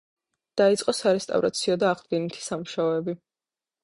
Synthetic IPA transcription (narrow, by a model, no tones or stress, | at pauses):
d̪̥ait̪sʼqʼɔsaɾɛst̪ʼa̰vɾa̰t̪sʰiɔd̪aːʁd̪ɡɛnit̪ʰi̥samuʃaɔɛbi